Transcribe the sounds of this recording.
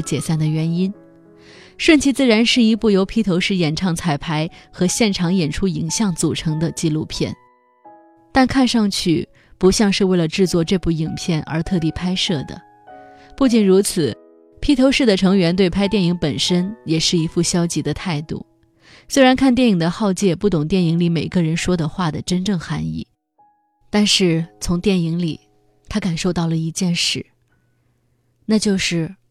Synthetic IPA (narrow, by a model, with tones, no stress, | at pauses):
t͡ɕjɛ˨˩sa˥˩nd̪ə˩ɥɛ˧˥ni˥n | ʂwə˥˧nt͡ɕʰi˧˥t͡sɹ̩˥˩ɻa˧˥nʂɻ̩˥˩i˧˥pu˥˩jo˧˥ʊpʰi˧˥t̪ʰo˧˥ʊʂɻ̩˥˩jɛ˨˩nʈ͡ʂʰɑ˥˩ŋt͡sʰa˨˩ɪpʰa˧˥ɪxɤ˧˥ɕjɛ˥˩nʈ͡ʂʰɑ˧˥ŋjɛ˨˩nʈ͡ʂʰu˥i˧˥ŋɕjɑ˥˩ŋt͡su˨˩ʈ͡ʂʰɤ˧˥ŋd̪ə˧t͡ɕi˥˧lu˥˧pʰjɛ̰˥˩n | t̪a˥˧nkʰa˥˧nʂɑ˥˧ŋt͡ɕʰy̰˥˩ | pu˧˥ɕjɑ˥˧ŋʂɻ̩˥˧we˥˩ɪlə˩ʈ͡ʂɻ̩˥˧t͡swɔ˥˧ʈ͡ʂɤ˥˧pu˥˩i˨˩ŋpʰjɛ˥˩nə̰˞˧˥t̪ʰɤ˥˧t̪i˥˩pʰa˥ɪʂɤ˥˩d̪ə̰˩ | pu˥˩t͡ɕi˨˩nɻu˧˥t͡sʰɹ̩˨˩ | pʰi˥t̪ʰo˧˥ʊʂɻ̩˥˩d̪ə˩ʈ͡ʂʰɤ˧˥ŋɥɛ˧˥nt̪we˥˩ɪpʰa˥ɪt̪jɛ˥˩ni˧˥ŋpə˨˩nʂə˥njɛ˨˩ʂɻ̩˥˩i˧˥fu˥˩ɕjɑ˥ʊt͡ɕi˧˥d̪ə˧t̪ʰa˥˧ɪt̪ṵ˥˩ | swe˥ɪɻa˧˥nkʰa˥˧nt̪jɛ˥˩ni˨˩d̪ə˦xɑ˥˧ʊt͡ɕjɛ˥˧pu˥˩t̪ʊ˨˩ŋt̪jɛ˥˩ni˧˥ŋli˧˥me˨˩ɪɡə˧ɻə˧˥nʂwɔ˥d̪ə˨xwa˥˩d̪ə˩ʈ͡ʂə˥nʈ͡ʂɤ˥˩ŋxa˧˥nḭ˥˩ | t̪a˥˧nʂɻ̩˥˩t͡sʰʊ˧˥ŋt̪jɛ˥˩ni˧˥ŋli˨˩ | t̪ʰa˥ka˨˩nʂo˥˧ʊt̪ɑ˥˩ʊlə˩i˧˥t͡ɕjɛ˥˧nʂɻ̩˥˩ | na˥˧t͡ɕjo˥˧ʊʂɻ̩˥˩